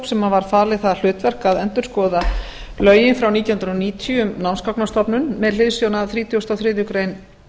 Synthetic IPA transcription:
psɛmavaɾ̥faːlɪθaðl̥ʏːt̪vɛr̥kaðɛnt̪ʏɾ̥skɔːða | lœːɥjɪnfɾawniːihʏnɾɔniːt̪ʰʏmnawnskawknast̪ɔpnʏnmɛðlɪðsjownaθɾiːt̪ʰjɔst̪awθɾɪːðjʏkɾejn

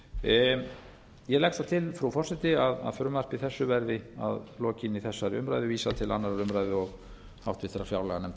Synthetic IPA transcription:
jɛlɛxst̪θat̪ʰɪlfɾufɔr̥sɛt̪ɪaða̰ðfʏɾʏmar̥pɪθɛsːʏvɛɾðɪa̰ðlɔːcɪniθɛsːaɾiʏ̰mɾajðʏviːsat̪ʰɪla̰nːaɾaɾʏmɾajðɪɔɣ | haw̥t̪vɪðθɛɾaɾfja̰wlɛɣanɛmt̪

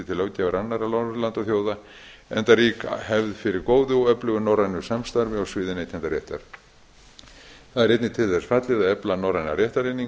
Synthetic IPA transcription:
ɪt̪ʰɪlœwcavaɾanːaɾalalant̪aθjoːwða | ɛ̰nt̪aɾrikhɛvðfɪɾɪɾkoːwðʏɔœplʏɣʏnɔwrajnʏ̥samst̪aɾvɪɔwsvɪːðɪnejt̪ʰɛnt̪aɾjɛ̰ht̪a̰ɾ̥ | θaðɛɾɛjt̪nɪt̪ʰɪlθɛsfat̪lɪðaðɛplanɔwrajna̰ɾjɛht̪aɾenːiŋ

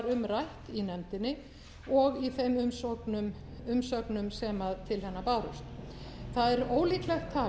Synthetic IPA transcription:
ɾʏmrajht̪inɛmt̪ɪnːɪ | ɔɣiθejmʏmsɔknʏm | ʏmsœknʏmsɛmaðt̪ʰɪlhɛnːapaːwɾṵst̪ | θaðɛɾoːwliːklɛxt̪ʰːaː

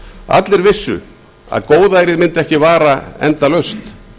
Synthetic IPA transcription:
a̰t̪lɪɾvɪsːʏ̰ | a̰ðkoːwðajɾɪðmɪnt̪ɛhcɪvaːɾaɛ̰nt̪alœɥst̪

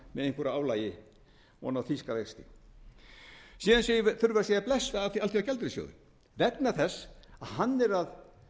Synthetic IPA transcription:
mɛðejŋkʏɾaaːwlaːjɪ | ɔ̰nawθiskavexst̪ɪ | siːðansejvθʏɾvaɾsɛðaplɛsvaaθialt̪ʰiawcʰɛlt̪ɾɪsjo̰wðʏ̰ | vɛt̪naθɛsːaðɦanːɛɾað

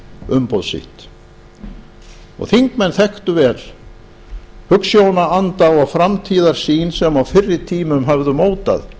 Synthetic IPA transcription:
ʏmpowðsḭht̪ | ɔ̰ɣθiŋkmɛnθɛht̪ʏvɛːl | hʏksjownaant̪aɔɣfɾamt̪ʰiːðaɾ̥siːnsɛmawfɪrːɪt̪ʰiːmʏmɦavðʏmoːwt̪a̰ð

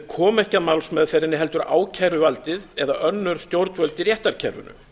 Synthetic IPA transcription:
kʰɔːmɛhcaðmawlsmɛðfɛɾɪnːɪɦɛlt̪ʏɾa̰ːwcʰajɾʏvalt̪ɪðɛðaʔœnːʏɾ̥st̪jowɾt̪vœlt̪ɪɾjɛht̪aɾcʰɛɾvʏ̰nʏ̰

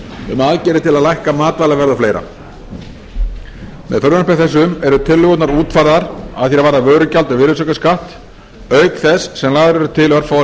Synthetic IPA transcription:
ʏmaðcɛːɾɪt̪ʰɪlaðlajhkamaːt̪valavɛɾðafleːjɾa̰ | mɛ̰ðfœɾðʏnaspɛθɛs̬ːʏmɛɾʏt̪ʰɪlːʏɣɔt̪naɾuːt̪fajɾðaɾa̰ðθjɛɾavaːɾðavœːɥɾʏcalt̪ʏvɪɾɪsœkaskaht̪ | œːɥkθɛsːɛmlaːðʏɾɛɾʏt̪ʰɪlœɾfaw

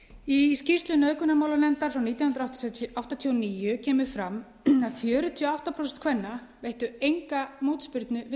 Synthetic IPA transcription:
iscist̪lʏnœːðkʏnːamaːwlanɛnt̪aɾfɾawniːt̪janhʏnd̪ɾawht̪ʔawht̪at̪ʰiɔwniːjʏcʰɛːmʏ̥fɾamː | aðfjœːɾʏt̪ʰiɔawht̪apʰɾɔsɛnt̪kʰvɛnːavejht̪ʏejŋkamoːt̪spɪɾt̪nʏvɪ

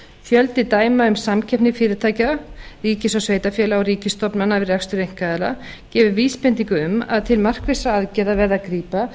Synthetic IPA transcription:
fjœlt̪ɪt̪aːjmaʏmsamcʰɛpnɪfɪːɾɪɾt̪ʰaːjcariːcɪsɔsveːjt̪afjɛːlaɔwɾiːcɪst̪ɔpnmanːavɪɾrjɛkst̪ʏɾejŋ̥kaðɛla | cɛːvʏviːspɪnt̪iŋkʏʏma̰ðt̪ʰɪlmar̥kvesaaðcɛːðavɛːɾðakɾiːpa

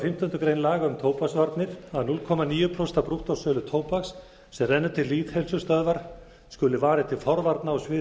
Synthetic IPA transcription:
fɪm̥t̪ʏnt̪ʏkɾejnlaːɣaʏmt̪ʰoːwpaksvaɾt̪nɪɾ̥aðnulkʰɔːmaniːjʏpʰɾɔst̪apɾuht̪ɔsœːlʏt̪ʰoːwpaksː | ɛmrɛnːʏt̪ʰɪlːiːt̪hɛlsʏst̪œðvaɾ̥ | skʏlɪvaːɾɪt̪ʰɪlfɔɾvaɾt̪naːsvɪ

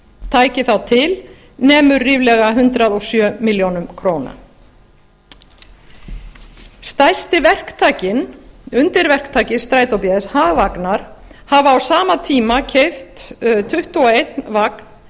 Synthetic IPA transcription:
t̪ʰaːjcɪθawt̪ʰɪl | nɛːmʏɾːiːvlɛɣaɦʏnt̪ɾaðɔsjœːmɪljownʏmkʰɾoːwna̰ | st̪ajst̪ɪvɛr̥kt̪ʰaːcɪnʏnt̪ɪɾvɛr̥kt̪ʰaːjcɪst̪ɾaːjt̪owpjɛðɪshaːɣvaknaɾ̥havawsaːmat̪ʰiːmacʰejft̪t̪ʰʏht̪uɔejt̪nvakn̥

